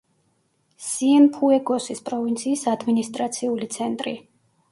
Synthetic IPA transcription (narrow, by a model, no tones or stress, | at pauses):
siɛnpʰuɛɡɔsispʼɾɔvint̪sʰiːsad̪minist̪ʼɾat̪sʰiulit̪sʰɛnt̪ʼɾḭ